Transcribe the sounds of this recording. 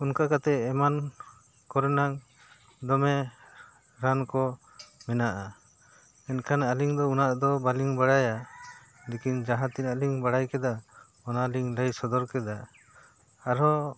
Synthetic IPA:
unkakat̪ɛɛman | kɔɾɛnaŋ | d̪ɔmɛ | ɾankɔ | mɛnaʔa | ɛnkʰanaliŋd̪ɔunaʔd̪ɔbaliŋbaɽaja | likind͡ʒaɦãt̪inaliŋbaɽajkɛd̪a | ɔnaliŋləjsɔd̪ɔɾkɛd̪aː | ɾɔ

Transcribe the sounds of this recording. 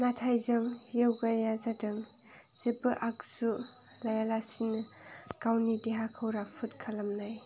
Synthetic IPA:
natʰajzaŋjewɡajazadɯŋ | z̥ebɯʔak̚su | lajalasinɯkawnideɦakʰɯwɾapʰut̚kʰalamnaj

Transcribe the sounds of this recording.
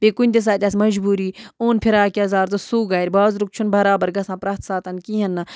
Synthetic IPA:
bekunʲt̪es̬aːt̪ʲasmɐd͡ʒbuːɾiːuːnpʰiɾaːkiɐzaːɾzɐsuːɡaːɾʲbaːzɾuk̚t͡ʃʰunbɐɾaːbɐɾɡɐsãːpɾɐːt̪saːt̪ɐnkiːɦɐnːɐ

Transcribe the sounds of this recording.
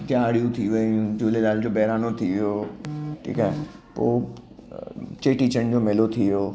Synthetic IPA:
t̪jaːɽijũt̪ʰiʋəjũd͡ʑoːlelaːld͡ʑoːbɛɦɾaːnot̪ʰiʋijoʈʰḭːkaːɦḛ | po̰ː | t͡ɕeːʈiːt͡ɕə̃d͡ʑoːmɪlot̪ʰiʋijoː

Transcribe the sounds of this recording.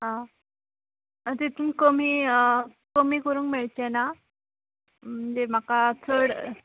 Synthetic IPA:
ɦã | t̪it̪ʰuːnkom̤i | komiːkəɾũːŋkmeɭt͡ɕena | m̤ənd͡zem̤akat͡sʰəɽ

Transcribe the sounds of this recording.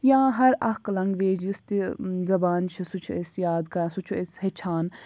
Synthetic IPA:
jãːɦɐɾɐklɐŋɡʋeːd͡ʒjust̪izɐbaːnt͡ʃʰisut͡ʃʰuesjaːd̪kɐsut͡ʃʰueshet͡ʃʰaːn

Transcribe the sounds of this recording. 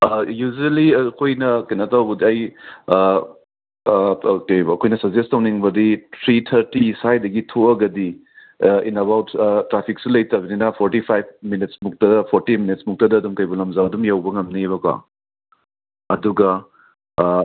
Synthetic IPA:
jud͡ʒelikʰojnɐkɐjnatawbɐdiɐj | kjɐkʰojnɐsɐzestɐwniŋbɐditʰɾitʰɐɾtisajdɐɡitʰoɐɡɐdi | inɐβawttɾapʰiksulɐjtɐɡɐninɐpʰoɾtipʰajb̚minit̚smuk̚tɐpʰoɾtiminit̚smuk̚tɐdɐːdumkɐjbulɐmzawɐdumjawbɐŋɐmniβɐkwa̰ | ɐduɡɐ

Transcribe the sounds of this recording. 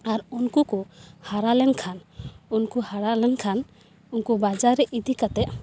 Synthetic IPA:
aɾunkukɔhaɾalɛŋkʰanunkuhaɾalɛŋkʰan | unkubad͡ʒaɾɛʔid̪ikat̪ɛʔ

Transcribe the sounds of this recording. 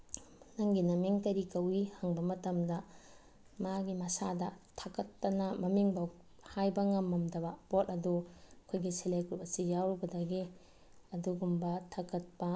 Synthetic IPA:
nɐŋɡinɐmiŋkɐɾikɐwihɐŋbɐmɐtɐmdɐ | maɡimɐsadɐtʰakɐtːɐnɐmɐmiŋbɐ | hajbɐŋɐmːɐmdɐbɐpot̚ɐdukʰojɡiselejkupɐsijawɾbɐdɐɡe | ɐduɡumbɐtʰakɐt̚pɐ

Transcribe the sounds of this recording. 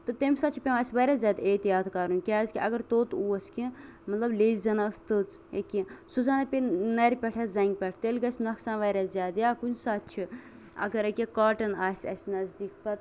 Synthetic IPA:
t̪ɨt̪emʲsat̪t͡ʃʰipʲẽmɐsʲʋɐɾʲaːzʲaːd̪eːt̪ijaːt̪ʰkɐɾunʲkʲaːzkʲiʔɐɡɐɾt̪oːt̪uːɐsʲkĩmɐt̪lɐbleːzzɐnast̪ɨt͡s | ḛkːĩsuzaːnɐpʲenɐɾʲpʲɛʈʰɐzɐŋɡ̚ʲpʲɛʈʰt̪elɡɐsʲnɐksãːnʋɐɾʲaːzʲjaːd̪jaːkunsat̪t͡ʃʰi | ɐ̰ɡɐɾɐkʲikaːʈɐnaːsʲɐ̰sʲnɐzd̪iːkpɐt̪

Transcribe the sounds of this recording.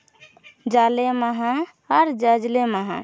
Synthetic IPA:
d͡ʒaleməɦã | əɾd͡ʒəd͡ʒleməɦã̰

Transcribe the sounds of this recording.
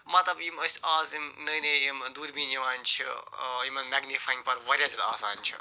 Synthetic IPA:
mɐt̪ɐbjimɐsʲaːzimnɐjnejimd̪uːɾbĩːd͡ʒiʋaːnʲt͡ʃʰḭjimɐnmɛɡnifaːjĩŋpɐɾʋɐɾʲjaːd͡ʒɐt̪aːsa̰ːnʲt͡ʃʰḭ

